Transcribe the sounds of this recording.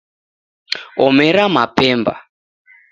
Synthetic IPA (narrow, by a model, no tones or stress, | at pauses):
ɔmɛɾamapɛːmba̰